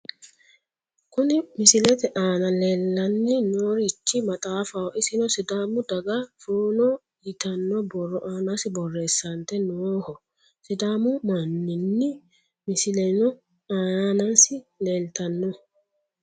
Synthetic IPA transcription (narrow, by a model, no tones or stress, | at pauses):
kʊnɪmɪsɪlɛt̪ɛʔaːnɐleːlːɐnːɪnoːɾɪt͡ʃːɪmɐt̪ʼaːfɐwɔʔɪsɪnɔsɪd̪aːmʊd̪ɐɡɐfuːnɔ | jɪt̪ɐnːɔbɔrːɔʔaːnasɪbɔrːeːsːɐnt̪ɛnohɔ | sɪd̪aːmʊmanːɪnːɪ | mɪsɪlɛnɔ | aːanɐnsɪleːlt̪ɐnːɔ